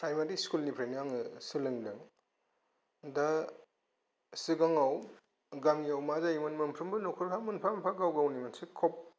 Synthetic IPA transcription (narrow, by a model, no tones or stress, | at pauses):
pɾajmaɾiskulnipʰɾajniaŋɯsɯlɯŋdɯŋ | da | siɡaŋaw | ɡamiawmazajmɯnmɯmpʰɾɯmbɯnɔkʰuɾpʰamɯnpʰamapʰaɡawɡawnimansikʰɔp̚